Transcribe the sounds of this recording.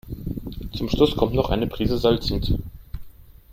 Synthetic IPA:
t͡sʊmʃlʊskʰɔmtnɔχʔa̰ɪnəpʁ̥iːzəzalt͡sɪnt͡sṵː

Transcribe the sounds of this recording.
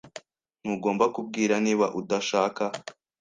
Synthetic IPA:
n̥uɡo̞ːmbakub̚ɡiːɾaniːβaʔudaʃaːka

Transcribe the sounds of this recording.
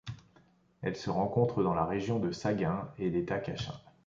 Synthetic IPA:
ɛ̰lsəʁɑ̃kɔ̃t̪χəd̪ɑ̃laʁeʒjɔ̃d̪əsaɡɛ̃elet̪akaʃa̰

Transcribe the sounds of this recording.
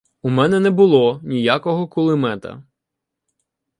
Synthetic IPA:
umɛnɛnɛbʊlˠɔnʲijakɔɦɔkʊlˠɪmɛt̪ɐ̰

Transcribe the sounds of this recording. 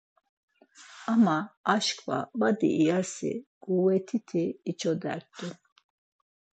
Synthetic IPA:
amaːʃkʰva̰bad̪ḭʔijasḭɡʼuwɛt̪ʰit̪ʰiːt͡ʃʰɔd̪ɛ̰ɾt̪ːu

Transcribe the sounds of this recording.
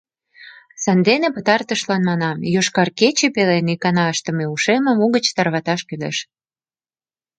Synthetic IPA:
sɑnd̪enepət̪ɑrt̪əʃlɑnmɑnɑmjoʃkɑrket͡ɕepelenikɑnɑəʃt̪ə̆meuʃemə̆muɣət͡ɕt̪ɑrβɑt̪ɑʃkyleʃ

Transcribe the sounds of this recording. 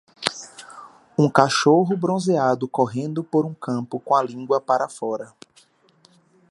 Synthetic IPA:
ũkaʃoɦʊbɾõzead̪ʊkoɦẽnd̪ʊpoɾũkɐ̃pʊkõɐlĩɡwɐpaɾɐfɔɾɐ

